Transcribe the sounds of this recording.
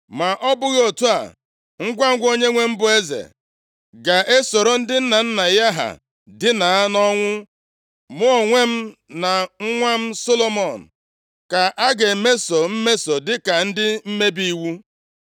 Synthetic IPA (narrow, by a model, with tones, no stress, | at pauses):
ma˨ʔɔ˦bʊ˦ɣo˨tu˦a̰˨ | ŋ̩˦ɡʷa˦ŋ̩˦ɡʷo˦ɲe˦ŋʷe˦m̩˦bʊ˨e˦zḛ˨ | ɡa˨ʔe˦so˨ɾo˦n̩˦dɪ˦n̩˦na˨n̩˦na˨ja˦ɦa̰˨ | dɪ˦na˨a˦nɔ˦ŋʷʊ˦ | mo˦o˨ŋʷe˦m̩˦na˨ŋ̩˦ŋʷa˦m̩˦so˦lo˦mɔ˨n̩˨ | ka˨ʔa˦ɡe˨me˦so˨m̩˦me˦so˨dɪ˦ka˨n̩˦dɪ˦m̩˦me˦bi˦i˦wu˦